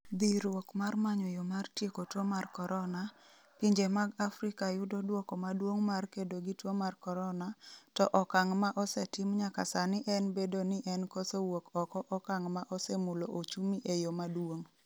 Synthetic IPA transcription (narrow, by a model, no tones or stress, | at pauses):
b̪iɾwokmarmaɲɔjomartjekotwomarkɔɾʔɔna | piɲd͡ʒemaɡafɾɪkajʊdodwokɔmadwoŋmarkedoɡitwomarkɔɾɔnatɔʔɔkaŋmaʔɔsɛtɪmɲakasanɪʔɛnbedonɪʔɛnkɔsowokɔkɔʔɔkaŋmaʔɔsemuloʔot͡ʃumiʔejomadwoŋ